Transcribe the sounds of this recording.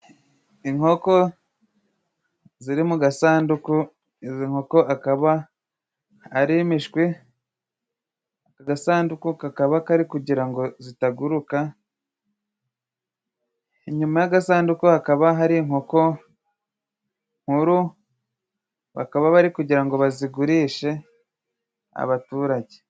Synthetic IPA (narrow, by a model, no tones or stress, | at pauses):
iŋho̞ko̞ | ziɾimuɡasaːnduku | iziŋ̥ho̞ko̞ʔakaβa | aɾimiʃkwi | akaɡasaːndukukakaβakaɾikuɟiɾaŋɡo̞zitaɡuɾuka | iɲumajaɡasaːndukuakaβaɦaɾiŋo̞ko̞ | ŋ̥huɾu | βa̰kaβaβaɾikuɟiɾaŋɡo̞βaziɡuɾiːʃe̞ | a̰βatuːɾaɟe